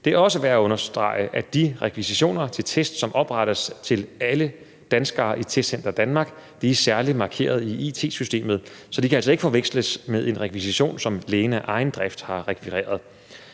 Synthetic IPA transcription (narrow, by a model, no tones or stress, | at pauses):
d̥e̝kʰæɒ̽s̬əʋæːɐɔ̽nɐsd̥ʁɑ̰̈ɪəʔæd̥iʁɛkʰʋisiɕo̝̰ːnɐt͡sʰe̝lt͡sʰesd̥sɒ̽mʔɒ̽b̥ʁɑɾ̥əst͡sʰe̝lælə | d̥ænsɡ̥ɐːʔit͡sʰed̥sen̰d̥ɐd̥ænmɑ̈ːɡ̥d̥iæsæɐli̥mɑ̈ːkʰe̝̰ːɐð̞ˠiit͡sʰe̝̰ːsysd̥e̝̰ːmðˠsɒ̽d̥ikʰææl̰sɒ̽e̝ɡ̥əfɒ̽ʋeɡ̥sləsmeðˠe̝nʁɛkʰʋisiɕo̝̰ːnsɒ̽mleːnæʔɑ̈ɪn̩d̥ʁɛfd̥hɑ̈ʁɛkʰʋiʁḛːɐð̞ˠ